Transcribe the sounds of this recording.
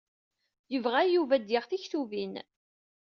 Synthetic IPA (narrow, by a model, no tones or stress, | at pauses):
jəvʁæjuvæd̪jɪʁθiçθuvin